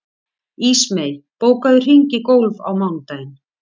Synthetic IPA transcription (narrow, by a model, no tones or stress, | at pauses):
iːsmejlpoːwkaðʏr̥iɲcɪkoːwlva̰wmawŋt̪ajn